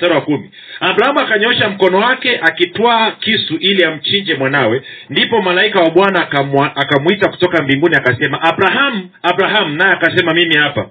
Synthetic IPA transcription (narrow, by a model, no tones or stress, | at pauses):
saɾawakumḭ | abɾahamuakaɲɔʃam̩kɔnɔwakɛʔakitwaːkisuʔiliam̩t͡ʃiɲd͡ʒɛmwanawɛndipɔmalaikawaɓwanaakamwitaku̥tɔkambiŋɡuniakasɛmaʔabɾaɦamuabɾaɦamunajɛakasɛmamimihapa̰